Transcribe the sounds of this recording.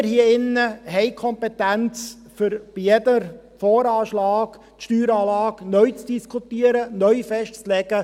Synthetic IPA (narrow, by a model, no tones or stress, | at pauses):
ɾhiəɪnːəɦɛɪkʰɔmpɛtænt͡s | fʏɾb̥ijɛdəɾ | fɔːɾɑːʃlɑːɡ | tʃtyːɾɑːlɑːɡnœʏt͡sd̥iskʰutiəɾənœʏfɛʃtt͡slɛɡ̥ə